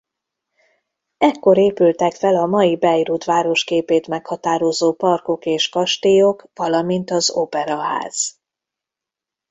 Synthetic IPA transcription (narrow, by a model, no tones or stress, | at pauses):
ɛkːo̞ɾeːpylt̪ɛkfɛlɒmɒjibɛjɾut̪ʋaːɾo̞ʃkeːpeːt̪mɛkhɒt̪aːɾo̞zoːpɒrko̞keːʃkɒʃt̪ejokʋɒlɒmint̪ɒzo̰pɛɾɒɦa̰ːz̥